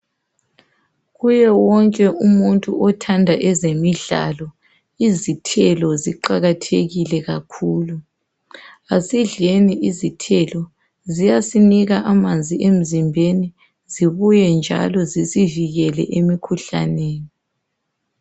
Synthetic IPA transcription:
ɣujɛwɔŋkʼɛʔumuntʼuʔɔtʰandʱaʔɛzemiɮa̰lɔ | izitʰɛlɔziǃaɣatʰeɣilɛɣakʰuːlu | asiɮeniʔizitʰɛlɔ | zijasiniɣaʔamand͡zʱiʔem̩zimbʱeni | ziβujɛnd͡ʒʱa̰lɔzisiviɣɛlɛ̰ʔemikʰuɬa̰neːni

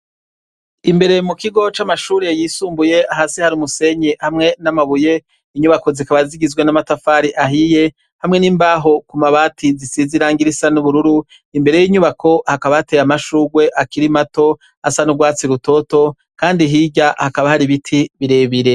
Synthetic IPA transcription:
imbe̞ɾe̞mukiɡo̞t͡ʃamaʃuːɾejiːsuːmbuje̞aɦasihaɾiumuse̞ɲehamŋe̞namaβuje̞ | iɲuβako̞zikaβaziɡizɡwenamatafaːɾiʔaɦije̞ | hamŋe̞niːmbaɦo̞kumaβaːtʰizisiziɾaːŋɡiɾisanuβuɾuɾu | imbe̞ɾe̞jiːɲuβakʰo̞hakaβatejamaʃuːɡwe̞ʔakiɾimato̞ | asanuɡwaːt͡siɾuto̞to̞ | kaːndiɦiɟahakaβahaɾiβitʰiβiɾe̞ːβiɾe̞

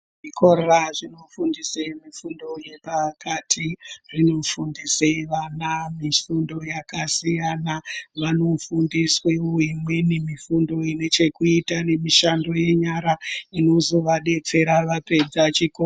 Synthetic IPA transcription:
ʐikʰo̞ɾoraʐino̞fundisemifundo̞je̞pakatʰiʐino̞fundiseʋanamifundo̞jakasijanaʋano̞fundisweoimwe̞nimifundo̞ine̞t͡ʃe̞kuitane̞miʃando̞je̞ɲaɾaino̞zo̞ʋaɗe̞t͡se̞ɾaʋape̞d͡zat͡ʃiko

